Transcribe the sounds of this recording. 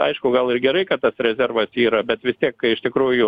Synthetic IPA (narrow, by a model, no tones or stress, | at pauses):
ɐ̰ɪʃkʊɡɐlˠɪrɡʲɛɾɐɪkɐt̚t̪ɐsɾʲɛzʲɛrʋɐsiːɾɐbʲɛt̪ʋʲɪst̪ʲiɛkkɐɪɪʃt̪ʲɪkɾuːjʊ